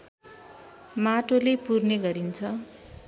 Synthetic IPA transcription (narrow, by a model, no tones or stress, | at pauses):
maʈolepurneɡʌɾint͡sʰʌ